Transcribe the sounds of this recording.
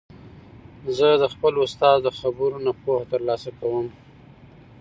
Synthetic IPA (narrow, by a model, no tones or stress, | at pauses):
zəd̪əxpəlʊst̪ɑzd̪əxabɾunapohat̪əɾlɑsakawəm